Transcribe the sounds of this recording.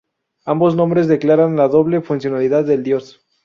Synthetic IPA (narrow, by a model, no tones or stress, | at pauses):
ambo̞znõmbɾe̞zðeklaɾanlaðo̞βle̞funsjo̞naliðaðːe̞ld̪jo̞s